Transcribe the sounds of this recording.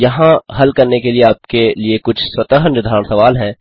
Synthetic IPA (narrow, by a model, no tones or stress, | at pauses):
jɐɦãɦɐlkɐɾnekelieaːp̚keliekʊt͡ʃʰswɐt̪əɦənjʊd̪ʱaːɾəɳ̃sɐʋaːlɦɛ̃ː